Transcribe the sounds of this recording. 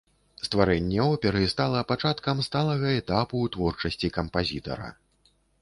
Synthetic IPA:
st̪vaɾɛnʲːɛɔpʲɛɾɨst̪alˠɐpat͡ʂat̪kɐmst̪alˠɐɣɐɛt̪apuːt̪vɔrt͡ʂɐsʲt͡sʲikɐmpazʲit̪ɐ̰ɾɐ̰

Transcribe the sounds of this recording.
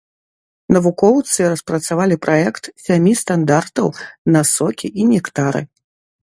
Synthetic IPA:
nɐvukɔwt̪sɨɾɐspɾɐt̪savalʲipɾʔaɛkt̪sʲamʲist̪and̪art̪ɐwnɐsɔkʲiʔinʲɛkt̪aɾɨ̰

